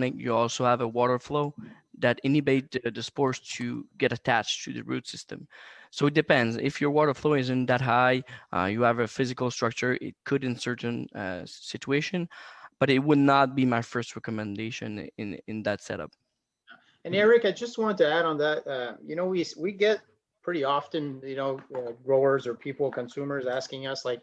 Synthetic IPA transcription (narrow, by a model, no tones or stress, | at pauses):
nɪkjɨ̰ɔlˠsoʊəvəwɔɾə˞floʊ | ðɨɾɪ̃nɨbeɪt̚dɨspɔɹstʰɨɡɛɾɨtʰæt͡ʃtʰɨðɨ̰ɹʉtsɪstɨ̰̃msoʊɨt̚d̥ɨpɛ̃ndzɪ̰fjə˞wɔɾə˞floʊɨzɨ̃nðɨt̚ɦaɪʔjɨəvɨfɪzɨkl̩ˠstɹ̥ʌk̚t͡ʃə˞ʔɪ̰t̚kʰɨɾɨ̃nsɜ˞ʔn̩sɪt͡ʃueɪʃɨ̃nb̥ʌɾɨt̚wədⁿnət̚b̥imaɪfɜ˞st̚ɹɛkəmɨ̃ndeɪʃɨ̰̃nɪ̰̃nɪ̰̃nðɨtsɛ̰ɾʌ̰p̚ | ɨ̃nɛɹɪkaɪd͡ʒʌst̚wɑ̃nəd̚tʰɨæɾn̩ðæt̚ʌjɨnoʊwiswiɡɛt̚ | pʰɹ̥ɪɾiɑfɨ̃njɨnoʊʌɡɹoʊə˞zə˞pʰipl̩ˠkʰɨ̃nsʉmə˞zæskɪ̃ŋʌslaɪk̚